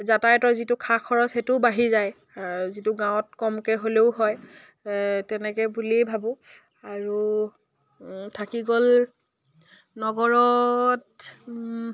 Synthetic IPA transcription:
zatajtɔzitukʰakʰɔɹɔsetʊbaɦizaj | zituɡãwɔtkɔmkɛɦoleʊɦɔj | tɛnɛkɛbulibʱabɔ | aɹu | tʰakiɡɔl | nɔɡɔɹɔt

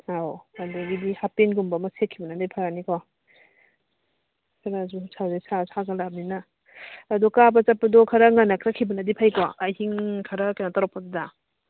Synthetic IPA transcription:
aandaɡidihapenɡumbɐmɐsekʰːibɐnadapʰaɾaniko | kʰɐɾazusʰawzesasaɡɐlab̚ninɐː | dɔkabɐt͡ʃapːɐdɔkʰɐɾaŋanakʰɾakʰibɐnadipʰajkoajɦiŋkʰɐɾakanataɾɔpːaduda

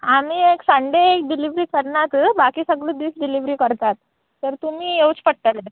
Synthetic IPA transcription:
am̤iːeksəɳɖeːk̚ɖiliʋɾiːkəɾɳat̪bakiːsəɡɭuːd̪iːsɖiliʋɾiːkəɾt̪at̪ː | əɾt̪um̤iːɦewt͡spəʈʈəle

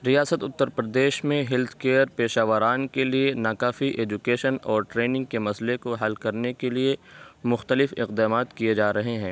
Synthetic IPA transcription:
ɾijaːsət̪ʊt̪ːəɾpɾəd̪eːʃmẽɦɪlt̪ʰkeːəɾpeːʃaːʋəɾaːnkelienaːkaːfiʔeːd͡ʒʊkeːʃənɔːɾʈɾeːnɪ̃ŋɡ̚kemɐslekoɦɐlkɐɾnekeliemʊxt̪əlɪfɪ̰qd̪aːmaːt̪kijed͡ʒaːɾɐɦeɦɛ̃ː

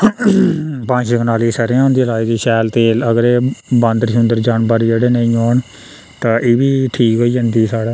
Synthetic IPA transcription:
pãːɲt͡ʃəkənaːliːsəɾãːɦʊnd̪iːlaːiːd̪iːʃɛːlt̪eːləɡəɾeːbə̃nd̪ɾəʃʊnd̪əɾd͡ʒaːɳbəɾd͡ʒeːɽeːnəĩːoːɳ | t̪ãːʔeːʋiːʈʰiːkɦoːiːɦə̃nd̪iːsaːɽaː

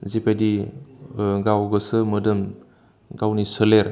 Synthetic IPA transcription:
zipʰadi | ɡawɡɯsɯmɯdɯm | ɡawnisɯleɾ

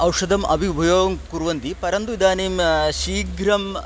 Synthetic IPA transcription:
ɐwʂɐd̪ɐmɐ̰bʱibʱɐjoːŋkuɾʋɐnd̪ipɐɾɐnt̪uid̪aːneːmʃiːɡɾɐm

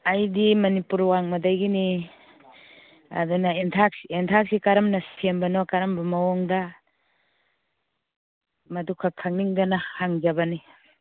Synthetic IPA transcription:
ajdimɐnipuɾwaŋmɐdajɡini | a̰dunɐentʰak̚sientʰak̚sikaɾɐmnɐsembɐnɔkaɾɐmbɐmɐwɔŋda | mɐdukʰːakʰaŋniŋdanɐhaŋzɐbɐni

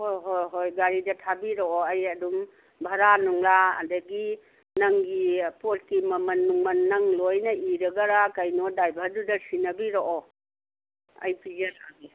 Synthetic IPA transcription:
hojɦojɦojɡaɾidɐtʰabiɾoɔɐjɐdum | bʱɐɾanuŋlaɐ̰dɐɡi | nɐŋɡipol̚kimɐmɐnːuŋmɐnːɐŋlojnɐʔiɾɐɡɐɾakɐjnɔdajbʱɐɾdudɐsinɐbiɾoʔɔ | ɐ̰jpizɐɾaɡi

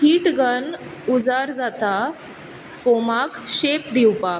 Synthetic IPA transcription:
hiːʈɡən | ud͡zaɾd͡zat̪a | fomakɕepd̪iwpak

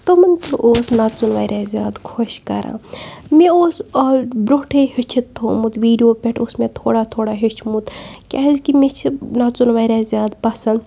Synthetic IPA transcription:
t̪omɐnt̪ʰɨʔoːsnat͡sunʋa̰ːiɾʔaːzʲjaːd̪kʰoʃkɐ̰ɾʔa̰ːmeoːsoːbɾoːʈʰehit͡ʃʰit̪ːʰoːmut̪ʋiːɖijoːpʲeʈʰosmet̪ʰoːɽaːt̪ʰoːɽaːɦit͡ʃʰmut̪kʲaːzkimet͡ʃʰnat͡sunʋaːɾaːzʲjaːd̪pɐsɐn

